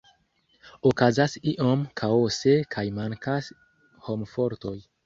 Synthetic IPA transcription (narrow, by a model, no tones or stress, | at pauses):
okazasiʔo̞mkʰaose̞kʰajmaŋkas | ho̞mfo̞ɾto̞j